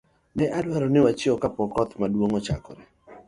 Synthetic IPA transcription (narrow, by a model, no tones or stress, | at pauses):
nɛʔadwaɾɔnɪwat͡ʃiɔkapɔkɔt̪madwoŋɔt͡ʃa̰kɔ̰ɾɛ